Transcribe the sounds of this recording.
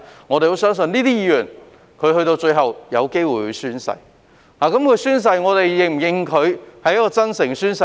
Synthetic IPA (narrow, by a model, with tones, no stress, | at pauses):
ŋɔː˨˧t̪e˨jho˨˥wsœː˥ŋsɵ˧nliː˥t̪iː˥jiː˨˧jyː˨˩n | kʰɵ˧ɥhɵ˧ɥt̪o˧wt͡ʃɵ˧ɥɦɐ˨wjɐ˨˧wke˥jwuː˨jju˨˧syː˥nsɐ̰˧j | haː˨kɐ˨˥mkʰɵ˨˧syː˥ns̬ɐ˧jŋɔː˨˧t̪e˨jjɪ˨˩ŋm̩˨˩jɪ˨ŋkʰɵ˨˧ɥhɐ˨jɐ˥kːɔː˧t͡sɐ˥nsɪ˨˩ŋsyː˥nsɐ˧